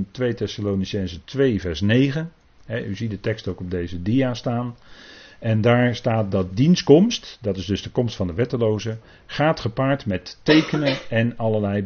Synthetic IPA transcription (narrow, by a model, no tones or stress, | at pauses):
ntʋejtɛsaloːnisɛnzətʋejvɛɹsnejχən | ɦɛʔyzidətɛkstowkɔb̚dejzədijaːstaːn | ɛndaːɹstaːt̚dɑt̚dinskɔmstdɑtɪzdɵzdəkɔmstfɑndəʋɛtəlowzə | χaːtχəpaːɹtmɛtːejkənənɛnɑləlɛj